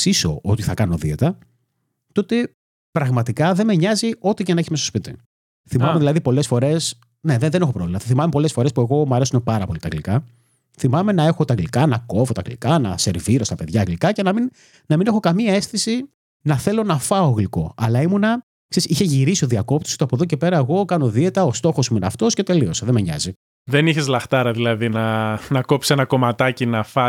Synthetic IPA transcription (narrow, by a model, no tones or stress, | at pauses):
siso̞̰ʔot̪iθɐkɐno̞ðiet̪ɐ | t̪o̞t̪e | pɾɐɣmɐt̪ikɐðe̞meɲɐzio̞t̪icenɐe̞çizmestospit̪ḭ | θimɐmeðilɐðipo̞le̞sfo̞ɾe̞s | ne̞ðeðenexo̞pɾovlmɐθɐθimɐmepo̞lesfo̞ɾe̞spue̞ɣo̞mɐɾe̞sumopɐɾɐpo̞lit̪ɐɣlikɐ | θimɐme̞nɐe̞xot̪ɐɣɡlikɐnɐko̞vo̞t̪ɐ̰ɣlḭkɐnɐ̰se̞ɾviɾo̞st̪ɐpe̞ðʝɐɣlikɐce̞nɐmin | nɐminexo̞kɐmiɐe̞sθisi | nɐθe̞lo̞nɐfɐoɣliko̞ɐlɐimunɐ | ksesiçe̞ʝiɾisio̞ðiɐko̞p̚t̪o̥sot̪oɐpoðoc̬e̞pe̞ɾɐeɣo̞kɐno̞ðie̞t̪ɐost̪o̞xo̞smuinɐft̪o̞sce̞t̪e̞lio̞seðemeɲɐ̰zi | ðeniçezlɐxt̪ɐɾɐðilɐðinɐnɐkopsi̥senɐko̞mɐt̪ɐcinɐfɐ